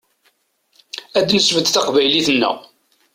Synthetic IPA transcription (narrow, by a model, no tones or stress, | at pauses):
æd̪nəsvəd̪θæqvæjliθənːə̰ʁ